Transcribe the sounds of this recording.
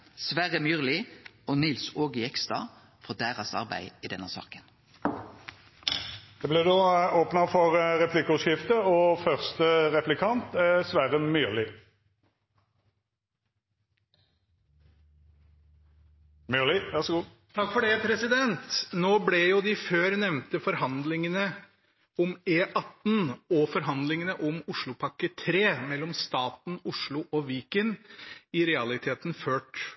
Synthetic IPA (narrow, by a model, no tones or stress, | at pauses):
sʋæʁəmjyːʁlɪoːnɪlsoːɡəɛkst̪ɑ̰ | fɔʁd̪æːʁɑsɑ̰ʁbæ̰ɪiːd̪ɛnːəsɑ̰ːkə̥n | d̪̥ɛːblɛd̪oːoːpnɑfɔʁʁɛpʰlɪkəʉʃɪft̪əɔfœʁst̪əʁɛplɪkʰɑnt̪sʋæʁəmyːʁlɪ | mʏlɪʋæʁʂɔɡuː | t̪ʰɑkːfɔɖɛpʰɾɛsɪd̪ɛnt̪noːblɛjʊd̪ɪføːɾnɛʋnt̪əfɔɾɦɑnd̪lɪŋənə | ɔmeːʔɑt̪ːn̩ɔfɔɾɦɑnd̪lɪŋənəʔɔmʊʂɭʊpʰɑkːət̪ʰɾeːmɛlːɔmst̪ɑːt̪n̩ʊʂɭʊʔɔʋiːkənɪɾɛɑlɪt̪ʰeːt̪nføːʈ